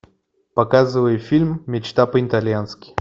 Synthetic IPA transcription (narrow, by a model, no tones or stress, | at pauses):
pɐkazɨvəjʊfʲilʲmːʲɪt͡ɕt̪apəɪt̪alʲjanskʲɪ̥